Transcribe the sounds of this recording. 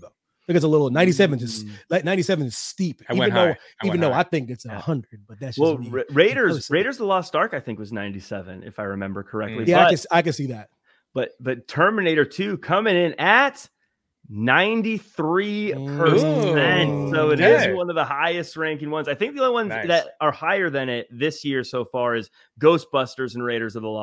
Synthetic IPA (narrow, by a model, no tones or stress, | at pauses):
ɨɪkɨts̬əlɪɾl̩ˠnãɪ̃ntis̬ɛvɨ̃nd͡ʒʌslaɪk̚nãɪ̃ntisɛvɨ̃nɨz̥stipĩɨ̃nðoʊ | ivɨ̃n̩ðoʊaɪθɪ̃ŋkɨtsəhʌ̃ndɹɨd̚b̥ʌt̪̚ðɨt̚sd̥ɛɹeɪɾə˞zɹeɪɾə˞zðəlɔsd̥ɑɹkaɪθɪ̃ŋkwʌznã̰ɪ̃ntisɛvɨ̰̃nɨ̰faɪɹɨmɛ̰̃mbə˞kʰə˞ɛ̰k̚tˡlijæaɪʌɨsaɪkɨ̃dsiðæt̚ | b̥ʌt̚b̥ʌtʰɜ˞mɨneɪɾə˞tʰʉkʰʌmɪ̃ŋɪ̃nɨt̚ | nãɪ̃ntiθɹipʰə˞ɛ̃ntsoʊɨɾɪzwʌ̃nʌvðəhaɪɨst̚ɹæ̃ŋkɪ̃ŋwʌ̃nzaɪθɪ̃ŋk̚ðiõiwʌ̃nzðɨɾə˞haɪə˞ðɨ̃ñɪt̪̚ðɪsjɪɹsoʊfɑɹɨz | ɡoʊsb̥ʌstə˞zɨ̃n̩ɹeɪɾə˞zʌvðəlɔ